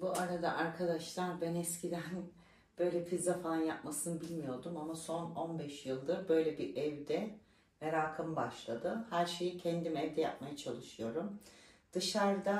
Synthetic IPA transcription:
buaɾad̪aʔaɾkʰad̪aʃlˠaɾbænɛscʰid̪æn | b̥ø̞jlʲɛfʰizafalˠanjap̚masɯnɯbilʲmijo̞ɾd̪umamaso̞no̞nbɛʃjɯlˠd̪ɯɾbø̞jlʲɛbiʔɛvd̪ɛ | meɾaːkʰamɯbaʃlˠad̪ɯhæɾʃe̞jicʰɛnd̪imɛvd̪ɛjap̚majat͡ʃʰalˠɯʃɯjo̞ɾum | d̪̥ɯʃaɾd̪a

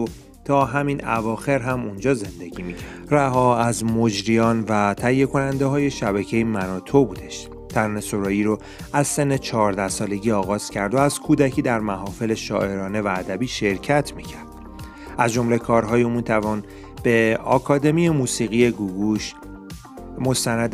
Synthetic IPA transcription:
o | t̪ʰɒːɦæminævɒːxe̞ɾɦæmund͡ʒɒːze̞nd̪e̞ɡimicʰæ | ræɦɒːæzmo̞d͡ʒɾijɒːnvæt̪ʰæjːe̞kʰo̞nænd̪e̞ɦɒːje̞ʃæbæcʰe̞jemænɒːt̪ʰobuːd̪e̞ʃ | t̪ʰæɾnesoɾɒːjiːɾo | æz̥se̞nːet͡ʃʰɒːɾd̪æhsɒːle̞ɟiːɒːɣɒːz̥cʰæɾd̪oæzkʰuːd̪æcʰiːd̪æɾmæɦɒːfe̞le̞ʃɒ̰ːʔe̞ɾɒːne̞væːd̪æbiːʃe̞ɾcʰæt̪ʰmicʰæɾd̥̪̚ | æzd͡ʒo̞mlekʰɒːɾɦɒːjemiːt̪ʰævɒːn | b̥e̞ɒ̰ːkʰɒːd̪e̞mijemuːsiːɣijeɡuɡuʃ | mo̞st̪ænæd̪

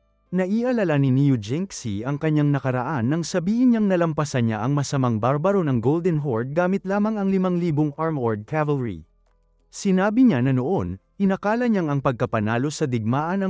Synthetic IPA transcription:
nɐʔiʔɐlɐlɐnɪnijud͡ʒɪŋksḭʔɐŋkɐɲːaŋnɐkɐɾɐʔanːɐŋsɐbiːhɪnɲaŋnɐlɐmpɐsɐɲɲa̰ʔɐŋmɐsɐmaŋbaɾbɐɾo̞nɐŋɡold̪ɛnɦoɹd̪̚ɡaːmɪt̪̚laːmɐŋɐŋlɪmaŋliːboŋʔaɹmhoɹd̪̚kʰavɐlɹḭ | sɪnaːbɪɲanɐno̞ʔo̞nʔɪnɐkaːlɐɲaŋɐŋpɐɡ̚kɐpɐnaːlo̞sɐd̪ɪɡ̚maːʔɐnɐ

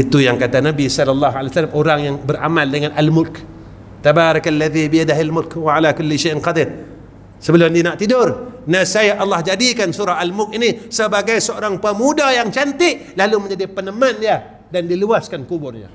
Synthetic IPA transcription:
it̪ujaŋkat̪anabisɔləlːaɦalaasalamoɾaŋjaŋbəɾa̰maldəŋanʔalmʊlk | t̪abaɾakalːaðibiadaɦalmʊlkwaʕalakʊlːiʃaʔanqɑd̪ɪr | səbəlʊmdianaʔt̪idʊrnasajaʔɑlːɑhd͡ʒadikansuɾaɦalmʊk̚inisəbaɡajsəoɾaŋpəmudajaŋt͡ʃant̪ɪʔlaluməɲd͡ʒadipənəmanija | dandiluaskankubʊrɲa̰

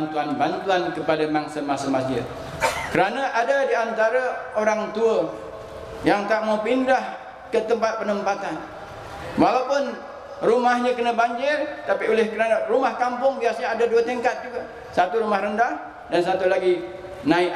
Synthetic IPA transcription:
nt̪uanbant̪uankəpadamaŋsəmasəmasd͡ʒɪ̰d̪̚ | kəɾanaʔadadiant̪aɾaoɾaŋt̪uə | jaŋt̪aʔmawpindah | kət̪əmpat̪̚pənəmpat̪an | walawpʊn | rumahɲakənəbaɲd͡ʒɪrt̪apiolɪhkəɾanarumahkampʊŋbiasaɲaadaduət̪əŋkat̪̚d͡ʒuɡa | sat̪uɾumahɾəndah | dansat̪ulaɡi | naɪ

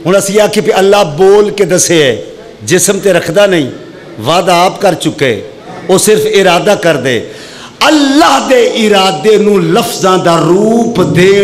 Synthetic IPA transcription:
ɦʊɳ̃əsĩːaːkepiəlːaːboːlkeːd̪əseːɛː | d͡ʒɪsmt̪eːɾəkʰd̪aːnəĩː | ʋaːd̪aːpkəɾt͡ʃʊkːḛː | oːsɪɾpʰɪɾaːd̪aːkəɾd̪ḛː | əlːaːɦd̪eːʔɪɾaːd̪eːnũːləfʰzãːd̪aːɾuːpd̪eː

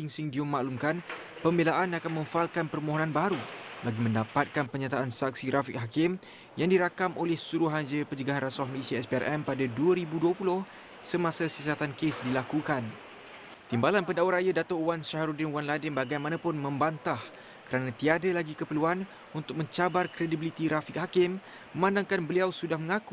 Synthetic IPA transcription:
iŋsiŋdiumaʔlumkan | pəmbelaʔanakanmə̃ɱfalkanpərmõɦonãnbaɾubaɡimə̃ndapat̪̚kanpəɲat̪aʔansak̚siɾafik̚ɦakɪm | jaŋdiɾakamolɛhsuɾuɦad͡ʒəpəɲd͡ʒəɡaɦanraswahməlesiaɛspearʔɛmpadaduəɾibuduəpulʊh | səmãsasəsat̪ankesdilakukan | t̪imbalanpəndawɾajadat̪owanʃaɦɾudɪnwanladɪnbaɡajmãnãpʊnmə̃mbant̪ah | kəɾanãt̪iadalaɡikəpəluan | unt̪ʊk̚mə̃ɲt͡ʃabarkɾedibilit̪iɾafik̚hakɪmː | ə̃mãndaŋkanbəliawsudahmə̃ŋãku

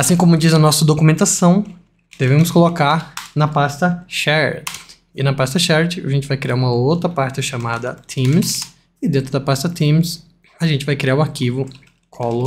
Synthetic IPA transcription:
asĩkõmʊd͡ʒizɐnɔsɐd̪okumẽnt̪asɐ̃w̃ | d̪̥evẽmʊskolokaɾnɐpast̪ɐʃɛɾ | ɪnɐpast̪ɐʃɛɾt͡ʃɪa̰ʒẽnt͡ʃɪvajkɾiaɾũmɐowt̪ɾɐpaɾt͡ʃɪʃamad̪ɐt̪ʰĩms | ɪd̪ẽt̪ɾʊd̪ɐpast̪ɐt̪ĩms | aʒẽnt͡ʃɪvajkɾiaɾʊaɾkivʊ | kʰɔlo

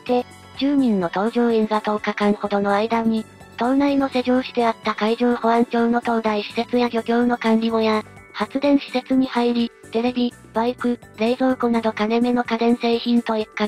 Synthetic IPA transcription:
t̪e̞ | d͡ʑɨːɲ̟ĩnːo̞t̪o̞ːʑoːẽzat̪oːkakaŋɯ̟ho̞d̪o̞no̞aid̪aɲ̟i | t̪õ̞nnaino̞se̞ʑo̞ːɕi̥d̪e̞at̪ːakaiʑoːho̞ãɲ̟t͡ɕo̞ːno̞t̪o̞ːd̪aiɕi̥se̞t͡sɨjaɡʲo̞kʲo̞ːno̞kãnɾʲimo̞ja | hat͡sɨd̪ẽ̞ɰ̃ɕi̥se̞t͡sɨɲ̟ihaiɾʲit̪e̞ɾe̞bʲi | b̥aikɯ̟ | ɾe̞ːzo̞ːkonad̪o̞kane̞me̞no̞kad̪ẽ̞ɰ̃se̞ːçĩnt̪o̞ikːa

